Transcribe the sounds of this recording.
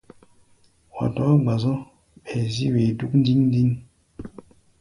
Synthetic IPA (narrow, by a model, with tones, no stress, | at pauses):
wa̰˨tɔ˨˦ɡ͡ba˨zɔ̃˦ | ɓɛ˨zi˦we˨du˦kn̩˦di˦ŋn˦di˦n